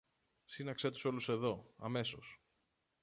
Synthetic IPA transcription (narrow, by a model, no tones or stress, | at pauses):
sinɐkset̪u̥so̞luse̞ðo̞ɐ̰me̞so̞s